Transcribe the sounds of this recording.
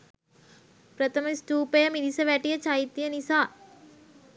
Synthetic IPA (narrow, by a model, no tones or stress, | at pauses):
pɾɐt̪ʰɐmɐsʈuːpɐjɐmid̪isɐʋæʈijɐt͡ʃajit̪ːijɐnisaː